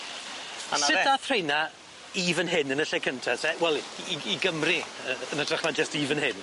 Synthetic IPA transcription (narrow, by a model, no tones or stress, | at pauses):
asnaɪdaθrejna | iːvənɦɪnənəɬɛkʰəntʰasɛwɛlˠːiɡəmriəənətʰrəχnad͡ʒəstiːvənɦɪn